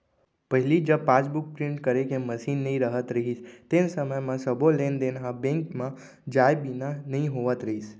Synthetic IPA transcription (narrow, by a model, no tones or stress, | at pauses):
pəɦilid͡ʒəpat͡ʃbuk̚pɾĩɳʈkəɾekeməʃinːəɦĩɾəɦət̪ɾəɦist̪ensəməjmãsəbolend̪enɦabẽŋkmã | d͡ʒajbinanəĩɦoʋət̪ɾəɦis